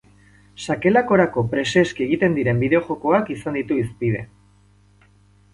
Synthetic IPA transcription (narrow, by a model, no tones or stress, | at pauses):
sake̞lako̞ɾako̞pɾe̞se̞skie̞ɣit̪e̞nd̪iɾe̞mbiðe̞o̞xo̞ko̞akisand̪it̪uispið̞e̞̰